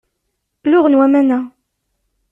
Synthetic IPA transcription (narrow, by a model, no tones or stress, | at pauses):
lʊʁənwæmænæ